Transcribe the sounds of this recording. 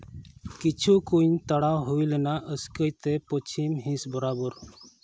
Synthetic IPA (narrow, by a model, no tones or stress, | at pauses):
kit͡ʃʰukunt̪əɽawɦuilənaʔəskəjt̪epɔt͡ʃʰimɦĩsbəɾabəɾ